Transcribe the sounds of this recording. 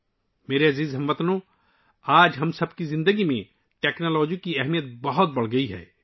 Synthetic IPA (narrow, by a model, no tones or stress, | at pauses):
meːɾeɐziːzɦɐmʋɐt̪no | aːd͡ʒɦɐmsɐbkizɪ̃nd̪əɡimḛ̃ | ʈeːknolɔːd͡ʒiõkiɛɦmijət̪̚bɐɦʊt̪̚bɐɽ̤ɡɐiɦɛ̰ː